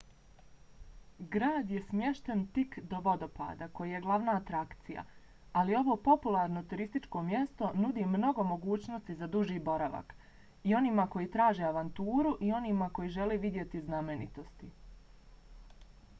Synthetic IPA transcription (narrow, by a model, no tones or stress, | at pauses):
ɡɾaːd̪je̞smje̞ʃt̪ent̪ikd̪o̞ʋo̞d̪o̞pa̰ːd̪ako̞jije̞ɡlˠaʋnaːt̪ɾakt̪sija̰ | alio̞ʋo̞po̞pulˠaːɾno̞t̪uɾist̪it͡ʃko̞mje̞st̪o̞nud̪imno̞ɡo̞mo̞ɡuːt͡ɕno̞st̪izad̪uʒiːbo̞ɾaʋa̰k | io̞niːmako̞jit̪ɾaːʒe̞aʋant̪uːɾuʔio̞niːmako̞jiʒe̞leːʋid̪je̞t̪izname̞nḭt̪o̞st̪i